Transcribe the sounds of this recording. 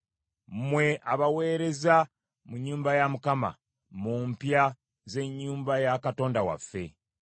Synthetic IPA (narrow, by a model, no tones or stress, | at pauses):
mwe̞ʔaβawe̞ːɾe̞za | muɲːuːmbajamukama̰ | muːmpja | ze̞ɲːuːmbajakato̞ːndawa̰fːe̞̰